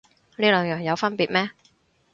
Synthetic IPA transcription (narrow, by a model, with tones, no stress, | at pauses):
liː˥lœː˨˧ŋjœː˨˩ŋjɐ˨˧wfɐ˥npiː˨t̚mɛː˥